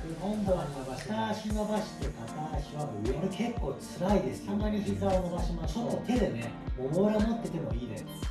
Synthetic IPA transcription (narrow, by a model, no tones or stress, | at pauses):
kohõmboanʲimabaɕi̥t̪aːɕinobaɕi̥t̪ːekat̪aːɕiβamojoɾɯkʰe̞kːo̞ːt͡sɨɾaid̪esɨ̥sãnːaɲʲiçikaɾonobaɕimosonot̪ʰe̞d̪e̞neoboɾemot̪ːet̪emo̰iːd̪e̞sɨ̥